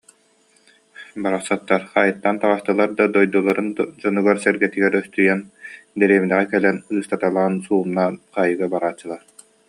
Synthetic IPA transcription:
baɾaχsat̪ːaɾχajɯt̪ːant̪aʁast̪ɯlˠaɾd̪ad̪ɔjd̪ulˠaɾɯnd͡ʑɔnuɡaɾsɛɾɡɛt̪iɡɛɾœst̪yjɛnd̪ɛɾeːminɛʁɛkɛlɛnɯɯst̪at̪alˠaːnsuːmnaːnqaːjɯɡabaɾaːt͡ɕːɯlˠaɾ

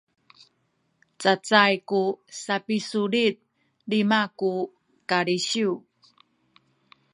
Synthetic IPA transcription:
t͡sat͡sajkusapisuɾit̚ | limaku | kaɭiɕiw

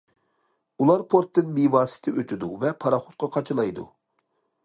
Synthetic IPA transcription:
ulˠɑɾpʰoɾt̪ːɨnmivɑːsɪ̥t̪ʰɪʔøt̪ʰɪd̪uvɛpʰɑɾɑχo̥t̪̚qʰɑqʰɑt͡ʃʰɨlˠɑjd̪ṵ

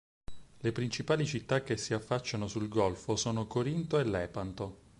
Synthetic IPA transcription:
lepɾint͡ʃipaːlit͡ʃit̪ːak̟ːesːiafːat͡ʃːanosulɡɔlfosoːnokoɾint̪oelːɛːpant̪o

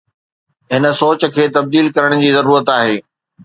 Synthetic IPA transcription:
ɦɪnə̆soːt͡ɕə̆kʰeːt̪ɐb̚d̪iːlkɐɾəɽ̃d͡ʑiːzɐɾuːɾət̪aːɦeː

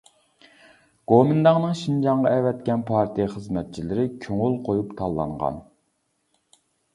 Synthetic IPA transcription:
ɡ̥omɪnd̪ɑŋnɨŋʃind͡ʒɑŋʁɑɛvɛt̪kʲɛnpʰɑɾt̪ʰijχəzmɛt̪̚t͡ʃʰilɪɾɪkʲʰøŋʊlˠqʰojupt̪ʰɑlˠːɑ̰ɴʁɑ̰n

